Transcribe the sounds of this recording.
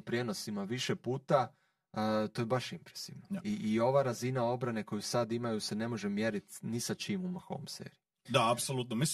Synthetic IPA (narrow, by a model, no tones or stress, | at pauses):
pɾje̞no̞simaʋiʃe̞puːt̪a | t̪o̞jbaʃimpɾe̥siʋnaiːo̞ʋaːɾazinao̞bɾane̞ko̞jusad̪imajuse̞ne̞mo̞ʒemje̞ɾit̪nisat͡ʃiːmumaxoʋomsḛːɾiju | d̪aapsolˠut̪nomis